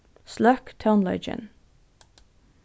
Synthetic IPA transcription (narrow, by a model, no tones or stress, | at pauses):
slœkt̪ʰaʊnlɑɪd͡ʒɪ̰n